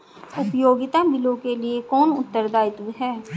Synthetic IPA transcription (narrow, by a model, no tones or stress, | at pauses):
ʊpjoːɡɪt̪abɪlõkeliekɔːnʊ̰t̪ːəɾd̪aːɪt̪ɦɛː